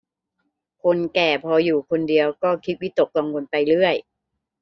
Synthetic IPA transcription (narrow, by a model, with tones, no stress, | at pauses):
kʰo˧nkɛː˨˩pʰɔː˧juː˨˩kʰo˧ndi˧əwkɔː˥˩kʰi˦˥t̪̚wi˦˥t̪o˨˩kka˧ŋwo˧npa˧jlɯ˥˩əj